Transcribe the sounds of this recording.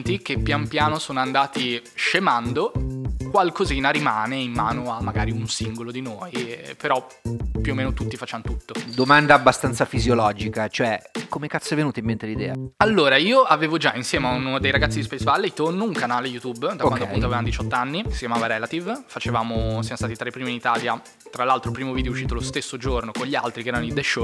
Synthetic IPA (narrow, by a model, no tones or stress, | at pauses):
nt̪ik̟epːjampjaːnosoːnoand̪aːt̪iʃemand̪okwalkoziːnaɾimaːneimːa̰ːnoamːaɡaːɾiunsiŋɡolod̪inoːjpeɾɔ | pːjuomːeːnot̪ut̪ːifat͡ʃanot̪ut̪ːod̪omand̪aːbːast̪ant̪safizjolɔːd͡ʒikat͡ʃoɛkomekat̪sːavenuːt̪aimːent̪elid̪ɛ̰ːaalːoːɾaiːoaveːvod͡ʒainsjɛːmeaunod̪ejɾaɡat̪ːid̪ispejzvalːeit̪onːouŋkanaːlejut̪ubd̪akwand̪oapunt̪avevamod̪it͡ʃɔt̪ːanːiksi̥kʲjamaːvaɾɛlat̪ivfat͡ʃevaːmosijamost̪aːt̪it̪ɾepːɾiːminit̪aːlja | t̪ɾalːalt̪ɾopɾiːmovid̪ejɛuʃːiːt̪̬olost̪esːod͡ʒornokoɲʎːia̰lt̪ɾikeɛːɾanoid̪eʃːo